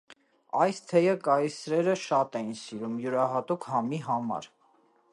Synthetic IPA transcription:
ɑjst̪ʰɛjəkɑjsɾɛɾəʃɑt̪ɛjinsiɾumjuɾɑɦɑt̪ukʰhɑmiɦɑmɑ̰ɾ

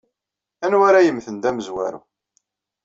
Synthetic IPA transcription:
ænwaɾæjəmːθənd̪æməzwæ̰ɾṵ

